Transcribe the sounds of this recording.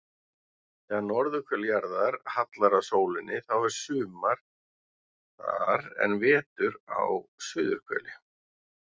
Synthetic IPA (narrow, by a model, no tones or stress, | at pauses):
θɛːɣanːɔɾðʏkʰvɛljaɾðaɾ̥hat̪laɾasoːwlɪnːɪθawvɛɾ̥sʏːmaɾ̥ | a̰ɾɛ̰nvɛːt̪ʏɾa̰wsʏːðʏɾ̥kʰvɛ̰ːlɪ